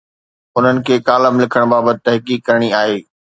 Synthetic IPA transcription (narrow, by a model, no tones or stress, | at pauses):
ʊn̤ənɪ̆kʰeːkaːləmlɪkʰəɽ̃baːbət̪ɪ̥t̪ɐɦkiːkːɐɾəɽ̃iaːɦeː